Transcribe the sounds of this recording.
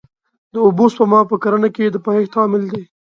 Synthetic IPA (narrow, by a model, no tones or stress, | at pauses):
d̪əʊbos̚pəmɑpəkaɾanaked̪əpaɦext̪ɑmɪld̪e